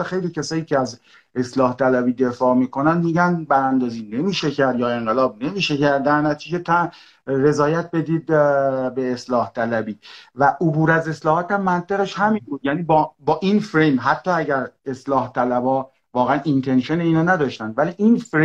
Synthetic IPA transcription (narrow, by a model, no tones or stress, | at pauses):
xejliːcʰæsɒːjiːcʰʲeæz | e̞slɒːht̪ʰælæbiːd̪e̞fɒːmiːkʰo̞nænd̪miːɟænbæɾænd̪ɒːziːne̞miːʃecʰæɾd̪jɒːe̞ŋɢelɒːb̚ne̞miːʃecæɾd̪̚d̪æɾnæt̪ʰiːd͡ʒet̪ʰæ | re̞zɒːjæt̪̚ʰbe̞d̪iːd̪̚be̞ːslɒːht̪ʰælæbiːvæʔobuːɾæze̞slɒːhɒːt̪æmːænt̪ʰe̞ɣeʃhæminbuːd̪jæniːbɒːbɒːʔinfɾejmɦæt̪ʰːɒːæɟæɾe̞slɒːht̪ʰælæbɒː | vɒːɣeænint̪ʰe̞nʃeneiːnɑːnæd̪ɒːʃt̪ænd̪væliːʔinfɾe